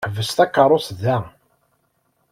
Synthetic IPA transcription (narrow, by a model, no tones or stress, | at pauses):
ħvəst̪ækːərˤoθðæ